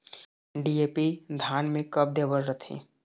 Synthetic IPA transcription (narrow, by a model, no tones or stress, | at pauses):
ɖieːpid̪ʱaːnmẽkəp̚d̪eːbəlɾət̪ʰḛ̃ː